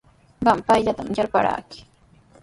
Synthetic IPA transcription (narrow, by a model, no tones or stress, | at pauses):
ɢampajʎat̪amjaɾpa̰ɾa̰kɪ̥